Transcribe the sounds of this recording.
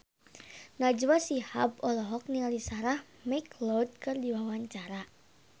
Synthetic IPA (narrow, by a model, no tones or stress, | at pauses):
nad͡ʒwasihabɔlɔɦɔk̚niŋalisaɾah | meklɔd̪̚kɨrdiwawaɲt͡ʃaɾa